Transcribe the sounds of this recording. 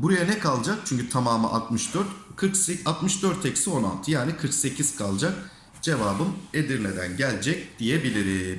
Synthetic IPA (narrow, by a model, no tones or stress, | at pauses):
buɾajanɛkʰalˠd͡ʒak̚t͡ʃʰyɲʲcyt̪ʰamaːmɯ̰ʔa̰t̪mɯʃd̪øɾt̪kʰɯkseat̪mɯʃd̪øɾt̪ʰːɛcsio̞na̰lˠt̪ʰɯjaːnikʰɯɾkse̞cʰiz̥kʰalˠd͡ʒak̚ | d͡ʒe̞vaːbɯme̞d̪iɾlʲe̞d̪æ̰nɟælʲd͡ʒɛc̚d̪̥ijebilʲiɾim